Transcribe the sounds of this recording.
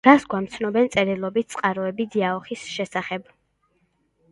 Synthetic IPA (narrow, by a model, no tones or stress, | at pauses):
ɾasɡwamt̪sʰnɔbɛnt̪sʼɛɾilˠɔbit̪̚t̪sʼqʼaɾɔɛbid̪iaɔχisʃɛsaχɛb̥